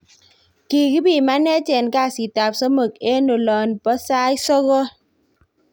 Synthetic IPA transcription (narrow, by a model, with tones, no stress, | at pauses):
ki˨ki˦bi˨ma˦ne˦t͡ʃe˨nka˦˨si˨ta˨p̚sɔ˦mo˨k̚e˦no˨lɔ˨npɔ˦saː˦i˦sɔ˦ɣɔ˦